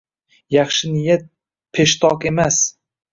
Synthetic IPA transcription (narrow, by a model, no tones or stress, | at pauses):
jɑχʃɪnɪjat̪̚ | pʰe̞ʃt̪ʰɒqe̞mas